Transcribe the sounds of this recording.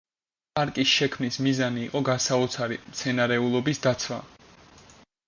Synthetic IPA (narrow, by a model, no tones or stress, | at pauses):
pʼaɾkʼisʃɛkʰmnismizaniːqʼɔɡasaɔt̪sʰaɾḭmt̪sʰɛnaɾɛulˠɔbisd̪at̪sʰwa̰